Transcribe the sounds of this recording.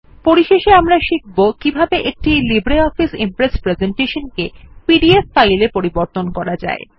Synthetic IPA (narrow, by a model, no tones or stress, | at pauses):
poɾiʃeʃeamɾaʃik̚bokibʱabeʔek̚ʈilibɾeɔfisḭmpɾespɾezeɳʈeʃonkepiɖiesfajlepoɾiboɾt̪onkɔɾad͡ʑa̰e